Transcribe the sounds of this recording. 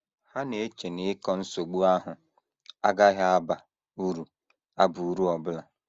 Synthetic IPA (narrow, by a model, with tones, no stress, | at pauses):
ha˦ne˨˦t͡ʃe˨nɪ˨ɪ˦kɔ˦n̩˦so˨ɡ͡bu˦a˦ɦʊ˨ | a˦ɡa˦ɦa˦a˦ba˨ | u˦ɾu˨ | a˦bu˨u˨ɾu˦ɔ˨bʊ˦la˨